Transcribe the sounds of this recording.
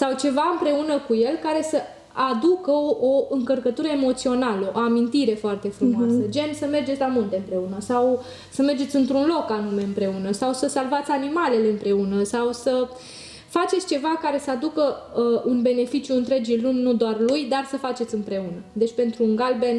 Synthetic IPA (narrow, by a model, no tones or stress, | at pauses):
sawt͡ʃe̞vaɨmpɾe̞unəkuje̞lkaɾe̞sə | ad̪ukəoɨŋkərkət̪uɾəemo̞t̪sio̞naləʔo̰amint̪iɾe̞foart̪e̞fɾummoasəd͡ʒe̞nsəme̞rd͡ʒesʲlamunt̪eɨmpɾe̞unəsaw | səme̞rd͡ʒesʲɨnt̪ɾunlo̞kanume̞ɨmpɾe̞unəsawsəsalvat̪sʲanimale̞le̞ɨmpɾe̞unəsawsə | fat͡ʃet̪sʲt͡ʃe̞vakaɾe̞səad̪ukəunbe̞ne̞fit͡ʃjuɨnt̪ɾe̞d͡ʒilunʲnːud̪oarlujd̪arsəfat͡ʃe̞t̪sɨmpɾe̞unəd̪e̞t͡ʃʲpe̞nt̪ɾuːŋɡalben